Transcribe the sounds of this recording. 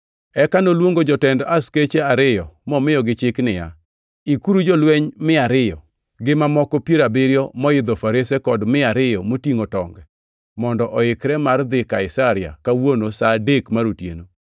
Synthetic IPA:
ɛkanolwoŋɡod͡ʒɔtɛndasket͡ʃeaɾɪjɔmɔmɪjɔɡɪt͡ʃɪknɪja̰ | ikuɾud͡ʒɔlweɲmɪaɾɪjɔ | ɡɪmamɔkɔpjeɾabɪɾjɔmɔɪd̪ɔfaɾesekɔdmɪaɾɪjɔmotiŋotɔŋɡɛ | mɔndɔʔɔɪkɾɛmard̪ɪkaɪsaɾɪa̰kawonosadekmaɾotjḛno

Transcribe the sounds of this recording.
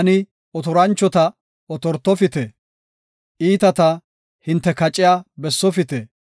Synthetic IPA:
ɐnɪ | ɔt̪ɔɾɐnt͡ʃːɔt̪ɐ | ɔt̪ɔɾt̪ːɔfɪt̪eː | ʔiːt̪ɐt̪ɐ | hɪnt̪ːɛkɐt͡ʃʼɪjaːbɛsːɔfɪt̪eː

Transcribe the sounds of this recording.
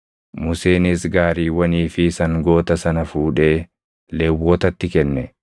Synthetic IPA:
mʊseːnɪsɡaːɾiːwɐniːfɪsɐŋɡo̞ːt̪ɐsɐnɐfuːᶑe̞ː | leːwːoːt̪ɐt̪ːɪkɛnːɛ

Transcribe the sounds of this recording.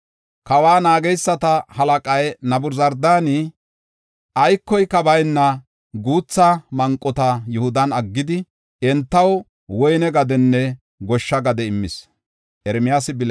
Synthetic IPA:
kɐwaːnaːɡɛjsːɐt̪ɐhɐlɐkʼɐjnɐbʊɾzɐɾd̪aːni | ʔɐjkːɔjkɐbɐjnːɐ | ɡuːt͡sːɐmɐŋkʼːɔt̪ɐjʊhʊd̪ɐnɐɡːɪd̪ɪ | ɛnt̪ːɐw | wɔjnɛɡɐd̪ɛnːɛ | ɡɔʃːɐɡɐd̪ɛɪmːɪs | ʔɛɾɛmɪjaːsɪbɪl

